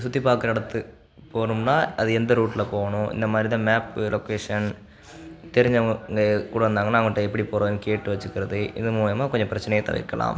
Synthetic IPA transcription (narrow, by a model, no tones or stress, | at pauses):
sut̪ːipaːkːɐɾɐɽɐt̪ːɨ | poːɳuɳɖaːɐðɨend̪ɨɾuːʈːilɐpo̞ːɣɐɳuḭnd̪ɐmaːd̪ɾiðamaːpːlʔokːeːʂɐn | t̪eɾiɲːɐekuːɽɐend̪aːŋːɐɳɐʋŋːiʈːeepːɐɽiporɐʋaːnkeːʈːɨʋɐt͡ɕːukʲːirɐðɨḭðɨmuːjɐmaːkoɲːɐprɐt͡ɕːɐnɐjet̪ɐ̰ʋɐ̰kːɐɭa̰ːm